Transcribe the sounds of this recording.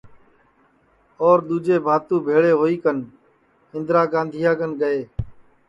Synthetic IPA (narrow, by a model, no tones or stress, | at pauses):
ɔːɾɗ̪uːd͡ʒeːbʱaːt̪ũːbʱeːɭeːɦoːiːkən | ɪ̃nd̪ɾaːɡãːnd̪ʱijaːkənɡəeː